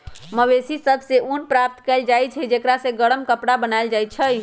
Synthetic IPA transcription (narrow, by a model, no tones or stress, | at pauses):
məʋesisəbʱseʔunpɾap̚t̪kɛld͡ʒajt͡ʃʰɛd͡ʒekɾasẽɡəɽəmkəpɽabənaeld͡ʒajt͡ʃʰəj